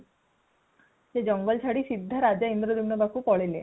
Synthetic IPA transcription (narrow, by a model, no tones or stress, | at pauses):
sed͡ʑɔŋɡɔlt͡ʃʰaɽisid̪ʱːaɾad͡ʑaind̪ɾod̪imnɔbakupɔɭele